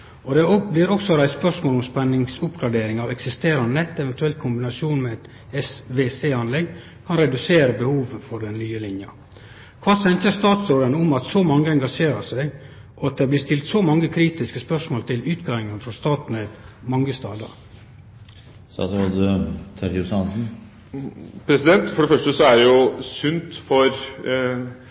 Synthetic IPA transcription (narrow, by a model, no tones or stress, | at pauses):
ɔd̪ɛɔblɪːɾɔksɔɾæɪsspœʂmoːlɔmspɛnːɪŋsʊpɡɾɑɖeːɾɪŋɑʋɛksɪst̪eːɾɑnnɛt̪ːɛʋɛnt̪ʉɛlt̪kʰʊmbɪnɑsjuːnmɛɛt̪ | ɛsʋeːseːɑnlɛɡ | kʰɑnɾɛd̪ʉseːɾəbəhuːʋfɔɾɖ̪ɛnnyːəlɪnjɑ̰ | kʰʋɑːsɛnt̪əst̪ɑːt̪sɾoːd̪ənʊmɑt̪sɔmɑŋːəɛŋɡɑʂeːɾɑʂæɪɡ | ʔɔɑt̪̚d̪ɛblɪst̪ɪlt̪sɔmɑŋːəkʰɾiːt̪ɪskəspœʂmoːlt̪ʰɪlʉːt̪ɡɑʋɪŋənfɾɔst̪ɑːt̪nɛd̪mɑŋɡəst̪ɑ̰ːd̪ə̰ɾ | sɑ̰ːsod̪t̪ʰɑɾjʊsɑnsn̩ | pʰɾɛsɪd̪ɛnt̪fɔɖɛfœʂʈəsɔæɾjʊsʉnt̪fɔɾ